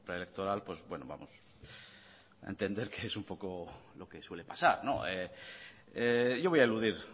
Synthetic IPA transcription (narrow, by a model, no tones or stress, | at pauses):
pɾaelek̚t̪o̞ɾalpwe̞zbwe̞no̰βa̰mos | a̰ent̪e̞nd̪e̞ɾkeesumpo̞ko̞lo̞keswe̞lepasaɾno̞̰ʔe | eʝo̞βojaeluðiɾ